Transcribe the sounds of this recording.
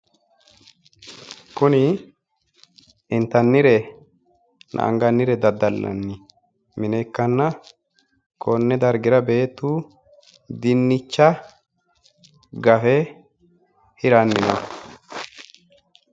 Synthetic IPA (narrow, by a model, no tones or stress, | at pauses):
kʊnɪ | ɪnt̪ːɐnːɪɾɛ | nʔɐ̰ʔɐ̰ŋɡɐnːɪɾɛd̪ɐd̪ɐlːɐ̰nːɪ | mɪnɛkːɐnːɐ | kɔnːɛd̪ɐɾɡɪɾɐbe̞ːt̪ːuː | d̪ɪnːɪt͡ʃːɐ | ɡɐfɛ | hɪɾɐnːɪnɐ̰